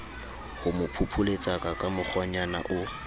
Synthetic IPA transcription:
hʊmʊpʰupʰʊlet͡sʼakʼakʼamʊk͡xʰwaɲana̰ʔʊ

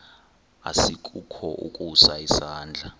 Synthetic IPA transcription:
a̰sikʼukʰɔʔṵkʼusaisaːnd͡ɮʱa

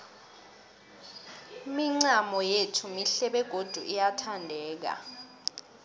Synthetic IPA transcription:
miŋ͡ǀamɔjetʰumiɬɛɓɛɡ̥ʱod̥ʱuʔijatʰandʱɛːk̬a̰

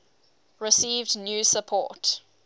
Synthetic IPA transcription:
ɹɪsiːvdnjuːsəpʰɔ̰ˑt

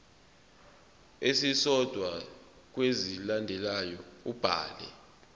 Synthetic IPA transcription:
esisɔd̥ʱwa | k̬wezilandʱɛlajɔub̥ʱa̰ːlɛ̰

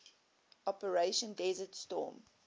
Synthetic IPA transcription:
ɔpəɹeʃə̃ndɛzətstɔ̰ːm

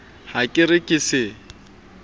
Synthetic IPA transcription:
hakʼɪrɪkʼɪsɪ

